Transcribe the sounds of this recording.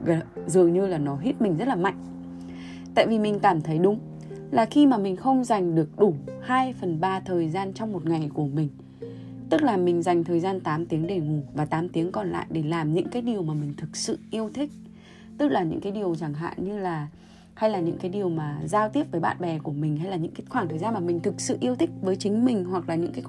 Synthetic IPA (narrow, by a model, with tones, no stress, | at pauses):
ɣə˧˨zɨ˨˩əŋɲɨ˧laː˨˩nɔ˨˦ɦi˦˥t̚mï˨˩ŋ̟zt̚laː˨˩ma̰˧˨jŋ̟ | t̪a̰ː˧˨jvi˨˩mï˨˩ŋ̟kaː˧˩mt̪ʰə˨˦jɗʊ˨˦ŋ͡m | laː˨˩xi˧maː˨˩mï˨˩ŋ̟xə˧wŋ͡mza˨˩jŋ̟ɗɨ˨˩ək̚ɗu˧˩haː˧jfə˨˩nɓaː˧t̪ʰəː˨˩jzaː˧nt͡ɕɔ˧wŋ͡mmo˨˩t̚ŋa˨˩jku˧˩əmï˨˩ŋ̟ | t̪ɨ˦˥k̚laː˨˩mï˨˩ŋ̟za˨˩jŋ̟t̪ʰəː˨˩jzaː˧nt̪aː˨˦mt̪i˨˦əŋɗe˧˩ŋu˨˧˩vaː˨˩t̪aː˨˦mt̪i˨˦əŋkɔ˨˩nla̰ː˧˨jɗe˧˩laː˨˩mɲɨ̰˧˥ŋkaː˨˦jɗi˨˩əwmaː˨˩mï˨˩ŋ̟t̪ʰɨ˨˩k̚sɨ̰˧˨ʔi˧əwt̪ʰï˦˥k̟̚ | t̪ɨ˦˥k̚laː˨˩ɲɨ̰˧˥ŋkaː˨˦jɗi˨˩əwt͡ɕa˧˩ŋɦa̰ː˧˨nɲɨ˧laː˨˩ | ha˧jlaː˨˩ɲɨ̰˧˥ŋkaː˨˦jɗi˨˩əwmaː˨˩zaː˧wt̪i˦˥əp̚vːjɓa̰ː˧˨nɓɛ˨˩ku˧˩əmï˨˩ŋ̟ha˧jlaː˨˩ɲɨ̰˧˥ŋkːxwaː˧˩ŋt̪ʰəː˨˩jzaː˧nmaː˨˩mï˨˩ŋ̟t̪ʰɨ˨˩k̚sɨ̰˧˨ʔi˧əwt̪ʰï˦˥k̟̚vəː˨˦jt͡ɕï˨˦ŋ̟mï˨˩ŋ̟ɦwa˨˩k̚laː˨˩ɲɨ̰˧˥ŋkaː˨˦